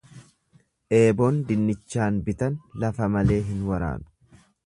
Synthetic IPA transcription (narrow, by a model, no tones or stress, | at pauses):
ʔe̞ːbo̞ːnd̪ɪnːɪt͡ʃːaːnbɪt̪ɐnlɐfɐmɐle̞ːɦɪnwɐɾa̰ːnʊ̥